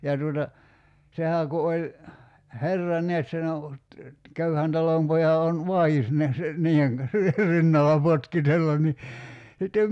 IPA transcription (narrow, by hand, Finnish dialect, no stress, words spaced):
jɑ tuotɑ sehæː ku olʲ herːɑ neæt sen o køyhæn tɑlompojɑ on ʋɑiis neæs niːh̆eŋ kɑn̞s rinːɑlɑ potkitelːɑn ni sitːem